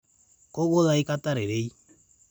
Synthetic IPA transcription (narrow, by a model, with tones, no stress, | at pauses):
ko˦ɣo˦ða˦i˦ka˦ta˦ɾe˨ɾe˦i˦